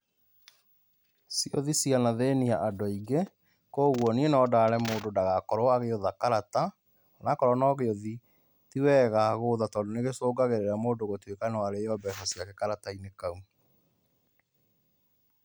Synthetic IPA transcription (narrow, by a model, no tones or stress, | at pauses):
sioðisianaðeniaʔadoiɡe | koːɣwɔnienɔdaːɾɛmoːdodaɣakɔɾɔaɣeoðakaɾata | ɔnakɔɾɔnɔɣeoði | tiwɛɣaɣoːðatɔːndoneɣesoːɡaɣeɾeɾamoːdoɣotwekanawaɾeɔbɛsɔsiakekaɾatainekau